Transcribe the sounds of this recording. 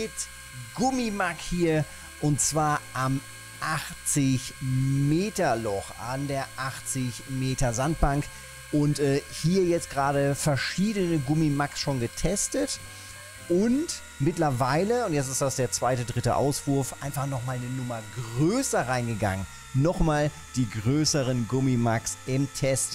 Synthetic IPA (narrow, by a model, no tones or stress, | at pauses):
mɪt | ɡ̥ʊmimakhiːɐ | ʔʊntt͡sv̥aːɐʔam | ʔaχt͡sɪçmeːtɐlɔχʔandeːɐʔaχt͡sɪçmeːtɐzant̚b̥aŋk | ʔʊntɛːhiːɐjɛt͡stɡ̥ʁaːɾəfɛɐʃiːdənəɡʊmimaksʃoːnɡətʰɛstət | ʔʊnt | mɪtlɐvaɪləʊntjɛt͡stɪstd̥asd̥eːɐt͡sv̥aɪtədʁɪtə̰ʔa̰ʊsv̥ʊɐfʔa̰ɪnfaχnɔχmaːlnənʊmɐɡʁøːsɐʁaɪnɡəɡa̰ŋən | nɔχmaːl | d̥iːɡʁøːsəʁənɡʊmimaksʔɪmtʰɛst